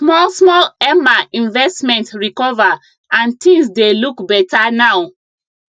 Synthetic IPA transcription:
smɔlsmɔlɛmaĩnvɛstmɛ̃ntɹikɔva | ãntʰĩŋsdelukbɛtanaʊ

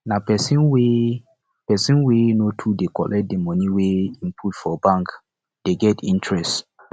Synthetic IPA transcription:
napɛsĩnwe | pɛsĩnwenotʰudekɔlʔɛt̚demɔniweĩmpʰutfɔbãŋk | d̥eɡɛtḭ̃ntɹɛst

